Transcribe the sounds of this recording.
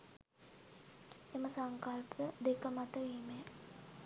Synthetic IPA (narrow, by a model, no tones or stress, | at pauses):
eməsaŋkalpʰəd̪ekəmat̪əʋiːme